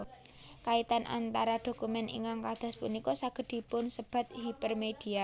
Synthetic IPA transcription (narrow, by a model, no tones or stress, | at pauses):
kait̪anʔa̰nt̪aɾad̪̥o̤kumɛnḭŋkaŋkad̪̥ɔ̤spunikɔsaɡ̥ə̤d̪̥i̤pʊnsəb̥a̤t̪̚hipərmed̪̥i̤a